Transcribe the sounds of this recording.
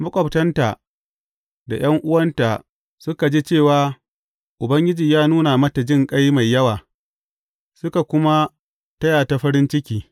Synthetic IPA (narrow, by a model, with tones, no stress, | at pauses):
mʊ˦kʷʼɐ˨ptɐ˦nta˨ʔ | da˨j̰ɐ˦ŋʔʊ˦wɐ˦nta˨ | sʊ˦ka˨d͡ʒiː˦t͡ʃeː˦˨waː˦ | ʔʊ˨bɐ˦ŋɡʲɪ˦d͡ʒiː˨jaː˦nuː˦na˨mɐ˦ta˨d͡ʒɪ˦˨ŋkʼa˦jma˨jːɐ˦waː˨ | sʊ˦ka˨kʷʊ˦ma˦ | tɐ˦jaː˨ta˨ɸɐ˦ɾɪ˦nt͡ʃɪ˦kʲiː˦